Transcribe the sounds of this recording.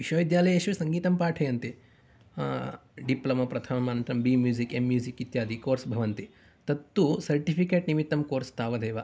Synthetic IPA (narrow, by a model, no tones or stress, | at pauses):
iʃɐːʋid̪jaːlɐjɐʃʋisɐŋɡiːt̪ɐmpaːʈʰɐjɐnt̪i | ɖiplɐmɐpɾɐt̪ʰɐmɐmaːnɐnt̪ɾɐmbiːmjuːzikemːjuːzikit̪jaːd̪ʱikoːɾsbʱɐʋɐnt̪i | t̪ɐt̪ːusɐɾʈipʰikeːʈnimit̪ːɐmkoːɾst̪aːʋɐd̪eːʋɐ